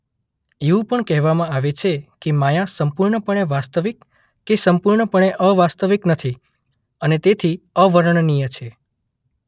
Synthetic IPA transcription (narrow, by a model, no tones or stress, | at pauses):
eũpəɳkɛɦʋamãaʋet͡ʃʰekemajãsəmpuɾɳəpəɳ̃eʋast̪əʋik | kːesəmpuɾɳəpəɳ̃eʔəʋast̪əʋiknət̪ʰi | ənet̪et̪ʰiəʋəɾəɳnijət͡ʃʰe